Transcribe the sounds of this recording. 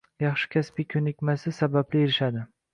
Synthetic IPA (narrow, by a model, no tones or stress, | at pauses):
jɑχʃɪ̥kʲʰaspikʲʰɵnɪkʲmasɪsabablɪeɾɪʃad̪ɪ